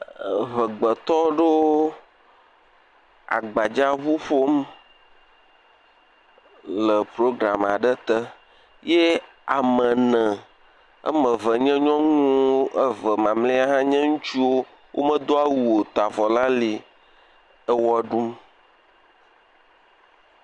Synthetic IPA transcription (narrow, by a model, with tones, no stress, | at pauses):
βə˨ɡ͡bə˨t̪ɔ˦ɖə˦ | a̰˨ɡ͡ba˨d͡ʒa˦βu˦ɸo˦m | lə˨pɾo˦ɡɾa˨ma˨ɖə˦t̪ə˦ | je˦ | a˨mə̃˨nə̃˨ | ə̰˦mə̃˨və˨ɲɛ̃˦ɲɔ̃˦ŋũ˦ə˦və˨mã˨mle˦a˦ɦã˦ɲɛ̃˦ŋũ˦t͡ʃi˦wo˦ | wʔo̰˦mə̃˦d̪o˦a˦wu˨wo˨t̪a˨vɔ˨la˦li˨ | ə˦wɔ˦ɖu˦m